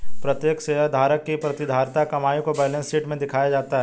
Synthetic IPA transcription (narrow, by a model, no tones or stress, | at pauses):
pɾɐt̪jeːksejəd̪ʱaːɾəkːipɾɐt̪ɪd̪ʱaːɾt̪akɐmaːjũkobɛːlə̃nsiːʈmẽd̪ɪkʰaːjad͡ʒaːt̪aɦɛː